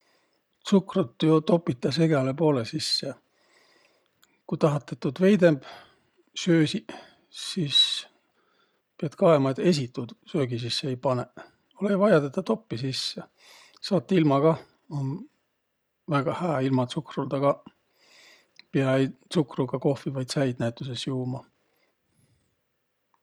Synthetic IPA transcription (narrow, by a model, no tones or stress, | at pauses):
t̪sukrut̪ːyot̪o̞pːˑit̪ːˑɑse̞ɡ̥elepo̞ːlesisːe | kujt̪ɑɦɑt̪ːˑet̪ːud̪ve̞jd̪e̞mb̥ | søːsi | siːs | piɑt̪kɑemɑet̪e̞s̬ʲit̪ːˑud̪̥søːɡisisːeejpɑne | olejvɑjɑd̪et̪ːɑt̪o̞pːisisːe | sɑːt̪ˑːilmɑɡ̥ɑ | on | væɡ̥ɑhæːilmɑt̪sukrult̪ɑɡ̥ɑ | piɑj̪sukruɡ̥ɑko̞hfivɑjd̪sæjd̪næjt̪ːˑuse̞sjuːmɑ